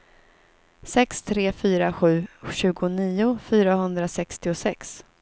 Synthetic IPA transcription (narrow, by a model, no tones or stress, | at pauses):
sɛkst̪ʰɾeːfyːɾaɧʉ̟ːɕʉ̟ːɡʊniːʊfyːɾahɵnd̪ɾasɛkst̪ɪʊsɛks